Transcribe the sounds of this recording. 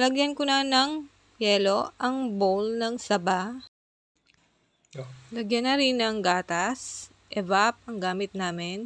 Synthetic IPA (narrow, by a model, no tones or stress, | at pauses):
lɐɡjɐnkʊnɐnɐŋ | jɛːlo̞ʔɐŋbowlnɐŋsɐba | lɐɡjɐnːɐɾɪnɐŋɡaːt̪ɐs | ʔɛvap̚ɐŋɡaːmɪt̪̚naːmɪn